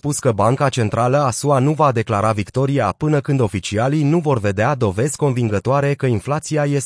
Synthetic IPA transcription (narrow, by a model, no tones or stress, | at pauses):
puskəbaŋkat͡ʃe̞nt̪ɾaləasuanuvad̪e̞klaɾavikt̪o̞ɾiapɨnəkɨnd̪o̞fit͡ʃialijnuvo̞rve̞d̪ead̪o̞ve̞zʲko̞nviŋɡət̪oaɾe̞kəinflat̪siaje̞s